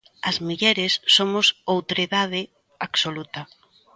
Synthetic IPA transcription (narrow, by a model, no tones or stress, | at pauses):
ɐzmiʎɛɾɪsːomʊsowt̪oɾeðað̞ɪ | aksolut̪ɐ